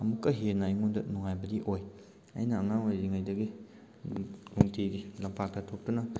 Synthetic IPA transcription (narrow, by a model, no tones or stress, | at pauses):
ɐmukːɐɦeɾnajŋundɐnuŋajbɐdiʔoj | a̰jnɐːŋaŋwaɾiŋajdɐɡi | nuŋtʰidilɐmpʰak̚dɐtʰop̚tɐnɐ